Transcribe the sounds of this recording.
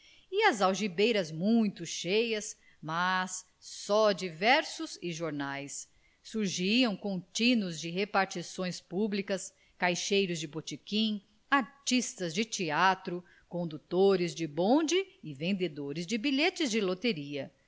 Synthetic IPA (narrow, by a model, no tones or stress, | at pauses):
ɪɐzawʒibejɾɐzmũj̃t̪ʊʃejɐs | mɐsː | ɔd͡ʒivɛɾsʊzɪʒoɾnajsː | uɾʒiɐ̃w̃kõt͡ʃĩnʊzd͡ʒɪɦepaɾt͡ʃisõj̃spublikɐs | kajʃejɾʊzd͡ʒɪbot͡ʃikĩ | aɾt͡ʃist̪ɐzd͡ʒɪt͡ʃiat̪ɾʊ | kõnd̪ut̪oɾɪzd͡ʒɪbõd͡ʒɪːvẽnd̪ed̪oɾɪzd͡ʒɪbiʎet͡ʃɪzd͡ʒɪlot̪eɾiɐ